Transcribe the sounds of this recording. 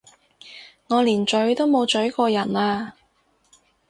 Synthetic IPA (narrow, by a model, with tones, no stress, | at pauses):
ŋɔː˨˧liː˨˩nt͡ʃɵ˨˥ɥt̪o˥wmo˨˧wt͡ʃɵ˨˥ɥkɔː˧jɐ˨˩naː˧